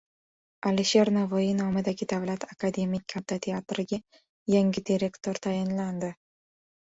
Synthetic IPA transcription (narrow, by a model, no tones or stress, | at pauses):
aliʃe̞ɾnavoinɒmɪd̪aɡʲɪd̪avlat̪ʰakad̪e̞mijkʲʰːat̪ʰat̪ʰe̞at̪ɾɪɡʲa | jaŋʲɪd̪ʲiɾʲe̞kt̪ʰoɾt̪ʰajɪnland̪ɪ